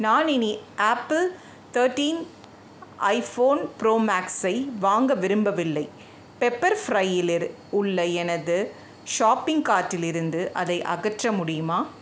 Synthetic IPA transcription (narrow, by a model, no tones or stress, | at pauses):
naːnɪniʔaːpːl | t̪ɐːɾʈiːn | ʔɐɪfoːnpɪɾoːmaːksɐɪʋaːŋɡɐʋɪɾɯmbɐʋɪlːɐɪ | pɛpːɐɾfɾɐɪɪlɪɾ | ʊɭːɐɛnɐðɯ | ʃaːpːɪŋɡkaːʈːɪlɪɾɯnd̪ɯʔɐðɐɪʔɐ̰ɣɐʈrɐmʊɽɪjɯmaː